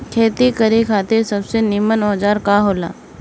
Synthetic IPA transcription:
kʰeːt̪ikəɾekʰaːt̪esɐbsenimənɔːd͡ʒaːɾkaɦoːla̰ː

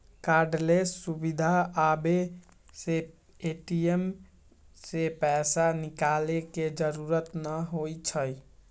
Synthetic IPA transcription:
kaɾɖlessubid̪ʱaːbe | se | eʈiem | sepɛsanikaleked͡ʒəɾuɾət̪nəɦojt͡ʃʰəj

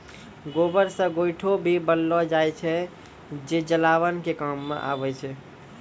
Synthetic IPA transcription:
ɡoːbəɾsə̃ɡojʈʰobʱibəlːɔd͡ʒaɛt͡ʃʰɛ | d͡ʒed͡ʒəlaːʋənkekamːḛ̃ʔa̰ːbɛt͡ʃʰɛ

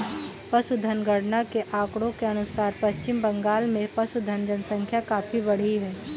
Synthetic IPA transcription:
pɐsud̪ʱənɡəɽnakeʔaːkɽõkeɐnʊsaːɾpɐst͡ʃɪmbɐ̃ŋɡaːlmẽpɐsud̪ʱɐnd͡ʒənsə̃ŋkʰjakaːpibɐɽ̤iɦɛː

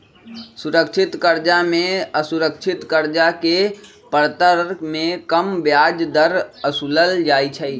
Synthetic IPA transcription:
sʊɾəkʃʰɪt̪kəɾd͡ʒamẽəsʊɾəkʃʰɪt̪kəɾd͡ʒake | pəɾt̪əɾmẽkəmbjaːd͡ʒd̪əɾəsuləld͡ʒaːit͡ʃʰɛi

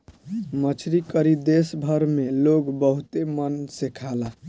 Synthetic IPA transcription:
mət͡ʃʰɾikəɾid̪esbʱəɾmeloɡbəɦut̪emənsekʰala

